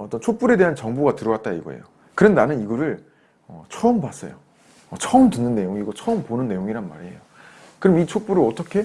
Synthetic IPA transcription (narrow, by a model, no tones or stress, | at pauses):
ʌt͈ʌnt͡ɕʰok̚p͈uɾe̞de̞ɦant͡ɕʌŋboɡatɯɾʌwat̚t͈aḭɡʌ̰ḛjo | kɯɾʌndanɯniɡʌɾɯɭ | ʌ̰t͡ɕʰʌɯmbwas͈ʌ̰jo | ʌt͡ɕʰʌmtɯnːɯnːe̞joŋiɡʌt͡ɕʰʌɯmponɯnːe̞joŋiɾanma̰ɾḛjo | kɯɾʌmit͡ɕʰok̚p͈uɾɯʌt͈ʌkʰe̞